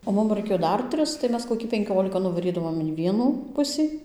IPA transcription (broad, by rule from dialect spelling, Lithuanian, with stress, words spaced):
oː ˈmʊm rɐɪˈkʲeːjoː ˈdɐr ˈtʲrʲɪs tɐɪ ˈmʲɛs koːˈkʲiː pʲɛŋʲˈkʲoːlʲɪkɐ nʊʋɐˈrʲiːdɐʋoːm ɪn ˈʋʲiɛnuː ˈpʊsʲiː